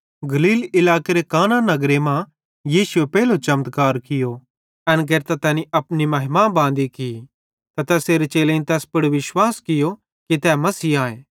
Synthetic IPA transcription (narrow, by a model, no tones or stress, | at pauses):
ɡɐliːlɪlaːkeɾekaːnanɐɡɾemã | jiːsuepɛːlot͡ʃɐmt̪kaːɾkɪjo | ɐnɡ̬eːɾt̪at̪ɛːniʔɐpnimɐɦɪmaːbãːnd̪iki | t̪ɐt̪ɛːseːɾet͡ʃeːlẽĩnt̪ɛːspɐɽʋɪʃwaːskɪjo | kit̪ɛːmɐsiːaːeː